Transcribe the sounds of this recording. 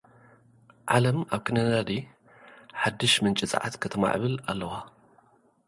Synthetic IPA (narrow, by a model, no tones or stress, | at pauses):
ʕalɐmaβkʰɨnɐd̪ad̪i | ħad̪ːɨʃmɨnt͡ʃʼɪt͡sʼa̰ʕa̰t̪kʰɐt̪ʰɐma̰ʕβɨla̰lːɐwa